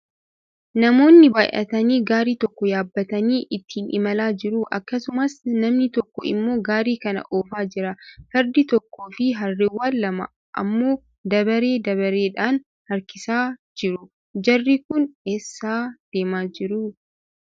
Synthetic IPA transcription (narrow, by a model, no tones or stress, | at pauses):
nɐmo̞ːnːɪbaːjʔɐ̰t̪ɐniːɡaːɾiːt̪ɔkːɔjaːbːɐt̪ɐniːʔɪt̪ːiːnʔɪmɐlaːd͡ʒɪɾuʔɐkːɐsʊmɐsnɐmnɪt̪ɔkːɔɪ̰mːo̞ːɡaːɾiːkɐnɐ̰ʔo̞ːfaːd͡ʒɪɾɐfɛɾd̪ɪt̪ɔkːoːfɪɦɐrːɪwːaːlːɐmɐ̰ | ʔɐ̰mːo̞ː | d̪ɐbɐɾe̞ːd̪ɐβɐɾe̞ːᶑaːn | hɐɾkɪsaːd͡ʒɪɾʊ | d͡ʒɐrːiːkʊneːsːaːd̪̥e̞ːmaːd͡ʒɪɾuː